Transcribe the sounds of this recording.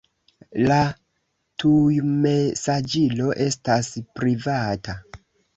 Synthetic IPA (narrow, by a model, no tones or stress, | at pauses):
la | tujme̞sad͡ʒilo̞ʔe̞staspɾivata